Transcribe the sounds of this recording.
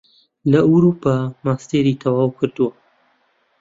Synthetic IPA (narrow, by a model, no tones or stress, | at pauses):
lɐuɾupamaːst̪eɾiːt̪ʰɐwaːwkʰɨɾd̪uwɐ